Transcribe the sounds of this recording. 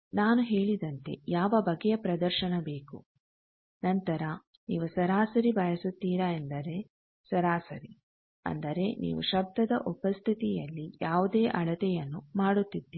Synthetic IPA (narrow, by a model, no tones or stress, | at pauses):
naːnuɦeːɭid̪ɐnt̪e̞̰jaːʋɐbɐɡːɛjɐpɾɐd̪ɐɾʃɐnɐbe̞ːku | nɐnt̪ɐɾɐ | niːʋusɐɾaːsɐɾibɐjɐsut̪ːiːɾɐend̪ɐɾe̞ | sɐɾaːsɐɾi | ɐ̰nd̪ɐɾe̞nḭːʋṵʃɐb̚d̪ɐd̪ɐʔupɐst̪ʰit̪ijɐlːijaːʋud̪eːʔɐɭɐt̪ɛjɐnːumaːɽut̪ːid̪ːi